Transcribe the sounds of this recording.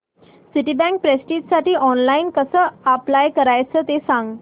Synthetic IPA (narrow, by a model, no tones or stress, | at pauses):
siʈiːbɛ̃ŋk̚pɾesʈiːt̪saʈiːɔnlainkəsəːplajkəɾajt͡səːt̪esãŋɡ